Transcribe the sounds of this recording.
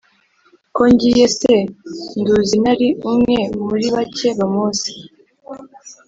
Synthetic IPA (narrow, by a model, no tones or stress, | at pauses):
ko̞ɲɟiːje̞senduzinaɾiumŋe̞muɾiβace̞βamuːsi̥